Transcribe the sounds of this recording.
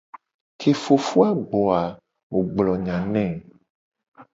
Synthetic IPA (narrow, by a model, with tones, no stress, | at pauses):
kʰe˨fo˨fu˦a˦ɡ͡bɔ˨a˨ | wo˨ɡ͡blɔ˨ɲã˨nɛ̃˦˨